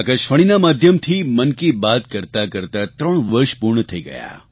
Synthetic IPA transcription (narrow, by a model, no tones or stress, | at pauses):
akəʃfəɽ̃inamaːd̪ʱjəmt̪ʰimənkibat̪kəɾt̪akəɾt̪at̪ɾəɳʋəɾʃpuɾɳət̪ʰəiɡə̰ja̰